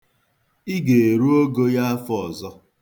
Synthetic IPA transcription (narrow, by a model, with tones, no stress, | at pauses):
i˦ɡe˨e˨ɾu˦o˦ɡo˦ja˦a˦fɔ˦ɔ˨zɔ˦